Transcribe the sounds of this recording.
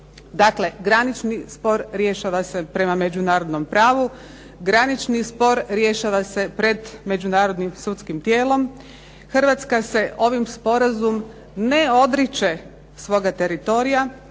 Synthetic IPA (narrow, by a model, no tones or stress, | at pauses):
d̪akle̞ɡɾanit͡ʃnispo̞ɾɾje̞ʃaʋase̞pɾe̞mame̞d͡ʒunaːɾo̞d̪no̞mpɾaːʋu | ɡɾanit͡ʃnispo̞ɾɾje̞ʃaʋase̞pɾe̞d̪me̞d͡ʒunaːɾo̞d̪nimsut̪skimt̪jeːlo̞m | xrʋat̪skase̞ʔo̞ʋimspo̞ɾazum | ne̞o̞d̪ɾit͡ʃe̞ | sʋo̞ːɡat̪e̞ɾit̪o̞ɾija